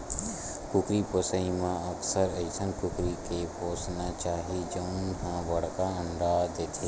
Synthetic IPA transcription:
kʊkɾipʊsəimãəksəɾəɪsʰənkʊkɾikeboːsnat͡ʃaːɦid͡ʒəʊnɦãʋɐɽkaə̃nɾaːd̪eːt̪ʰe

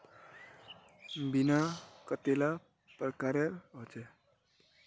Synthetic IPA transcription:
binakət̪ela | pɾəkaɾeɾɦot͡ʃe

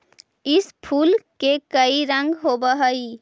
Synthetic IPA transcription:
ispʰulkekəiɾə̃ŋɡɦobəɦəj

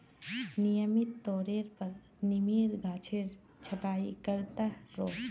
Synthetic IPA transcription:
nijəmit̪ːoːɾeɾpəɾ | nimiɾɡʱaːt͡ʃʰeɾ | t͡ʃʰəʈaːḭkəɾt̪aɾoː

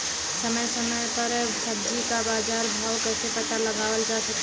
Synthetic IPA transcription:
səməjsəməjpəɾ | səb̚d͡ʒikabaːd͡ʒaːɾməʊkəsepət̪aləɡaːwəld͡ʒasək

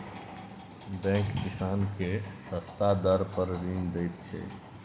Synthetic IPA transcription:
bɛ̃kkisankesəst̪ad̪əɾpəɾɾind̪əjt̪t͡ʃʰɛ̰

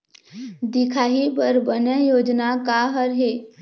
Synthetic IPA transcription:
d̪ɪkʰaːɦibəɾbənejoːd͡ʒnakaɦəɾɦeː

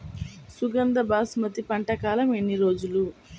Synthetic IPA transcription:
suɡɐnd̪ɐbaːsmɐt̪ipɐɳʈɐkaːlɐme̞nːiɾo̞ːd͡ʒulu

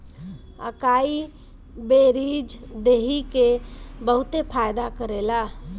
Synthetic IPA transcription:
ə̰kai | beɾid͡ʒd̪eɦikebəɦʊt̪epʰajd̪akəɾela

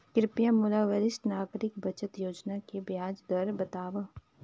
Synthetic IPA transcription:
kɾɪpjamʊlaːʋəɾɪsʈnaːɡɾɪkbɐt͡ʃət̪joːd͡ʒnakebjaːd͡ʒd̪ɐɾbɐt̪aːʋə

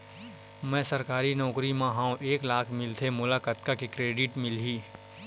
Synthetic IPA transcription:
mɛ̃səɾkaːɾinɔːkɾimãɦãːõʔeːklaːkʰmɪlt̪ʰemʊlakət̪kakekɾeːɖɪʈmɪlɦiː

